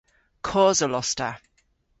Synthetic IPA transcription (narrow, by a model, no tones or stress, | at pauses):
kʰɔːzəlɔstə